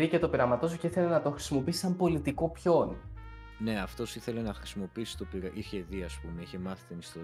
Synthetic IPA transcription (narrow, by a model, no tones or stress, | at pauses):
ɾice̞t̪o̞piɾɐmɐt̪o̞s̬uceiθe̞lenɐt̪o̞xɾi̥simo̞piisi̥sɐmbo̞lit̪iko̞pço̞n | ne̞ɐft̪o̞siθe̞le̞nɐxɾisimo̞piisi̥t̪o̞piɾɐʔiçeðiɐspumeiçe̞mɐθit̪inist̪o̞